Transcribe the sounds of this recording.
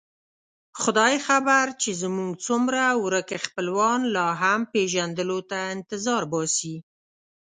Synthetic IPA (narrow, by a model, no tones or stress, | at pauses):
xʊd̪ɑjxabaɾt͡ʃezmuŋɡt͡sumɾawɾəkexpəlwɑnlɑɦampeʒand̪əlot̪aɪnt̪ɪzɑɾbɑsi